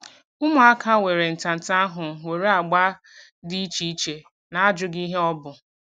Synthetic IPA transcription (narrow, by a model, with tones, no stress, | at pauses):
ʊ˦mʊ˨a˦kʰa˦we˨ɾe˨n̩˨ta˨n̩˨ta˦a˦ɦʊ˨we˨ɾe˦a˨ɡ͡ba˦ | di˦i˦t͡ʃi˦i˦t͡ʃe˨ | na˨a˦d͡ʒʊ˨ɡi˦ɦe˦ɔ˦bʊ˨